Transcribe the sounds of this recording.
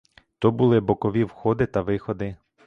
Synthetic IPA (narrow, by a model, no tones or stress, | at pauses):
t̪ɔbulˠɪbɔkɔʋʲiwxɔd̪ɪt̪ɐʋɪxɔd̪ɪ